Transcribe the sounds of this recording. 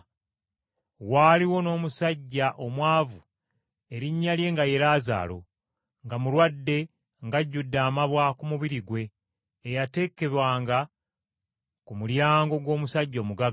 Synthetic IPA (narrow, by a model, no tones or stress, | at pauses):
waːliwo̞no̞ːmusaɟːaʔo̞mwaːvu | e̞ɾiɲːalje̞ŋɡaje̞ɾaːza̰ːlo̞̰ | ŋɡamulwadːe̞ | ŋɡaɟːudːaːmaβwakumuβiɾiɡwe̞ː | jate̞ke̞βwaːŋɡa | kumuljaːŋɡo̞ɡwo̞ːmusaɟːoːmuɡa